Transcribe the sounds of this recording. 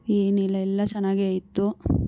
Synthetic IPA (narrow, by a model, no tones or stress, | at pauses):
eːnɛlːɐɛlːɐt͡ʃɐnaːɡiajt̪ːu